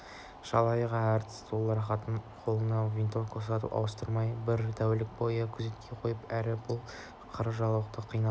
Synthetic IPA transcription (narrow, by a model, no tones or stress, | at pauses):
ʃɑ̰lˠɑjʁɑæɾt̪ʰɪ̥st̪ʰolˠːɑɾχɑt̪əɴqʰo̞lˠənɑvint̪ofkʰosɑt̪ṵʔɑ̰wəst̪əɾmɑjbɪɾt̪ʰæwlɪk̚bo̞jəkʲʰʏze̞t̪̚kʲʰe̞qʰo̞jəpæɾɪbʊlˠ | qʰəɾəʒɑlˠwəqt̪əqʰːijnɑ